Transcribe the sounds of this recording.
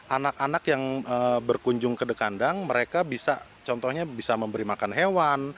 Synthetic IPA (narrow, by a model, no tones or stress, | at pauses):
ʔanakanakjaŋəbərkuɲd͡ʒʊŋkədəkandaŋməɾekabisa | t͡ʃɔnt̪ɔhɲabisaməmbəɾimakanɦewan